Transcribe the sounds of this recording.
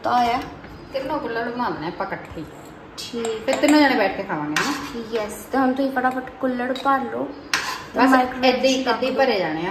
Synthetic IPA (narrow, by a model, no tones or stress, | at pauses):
t̪aːjaː | t̪ɪnnoːkʊlːəɾɽoːbənãːlnepəkəʈt̪ʰiː | ʈʰiːkpʰɪɾt̪ɪnːõːd͡ʒaːɽẽːbɛːʈʰkeːkʰaːʋãːŋɡenãːjɛst̪eɦʊnt̪ʊĩːkəɽaːpəʈkʊlːəɽpəɾloː | t̪ːmaːikɾoed̪eied̪eiːpəɾeːd͡ʒaːɽ̃eːãː